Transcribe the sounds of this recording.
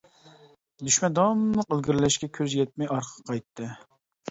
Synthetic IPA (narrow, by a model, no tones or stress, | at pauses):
d̪yʃmɛnd̪ɑmlˠəqølɡʲiɾɪlɪʃkʲɛkʲʰøzjɛt̪̚mɛjɑɾqʰə̥qʰɑjt̪ʰːɨ